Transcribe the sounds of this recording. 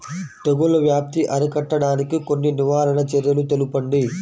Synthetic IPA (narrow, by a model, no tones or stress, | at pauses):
t̪eɡulɐʋjaːp̚t̪iʔɐɾɐkɐʈːɐɽaːnikikonːiniʋaːɾɐɳɐt͡ʃeɾjɐlut̪elupɐɳɖi